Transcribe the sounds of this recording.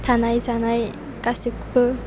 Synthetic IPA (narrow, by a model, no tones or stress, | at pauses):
t̪ʰanajzanaj | kʼasikpʰɯ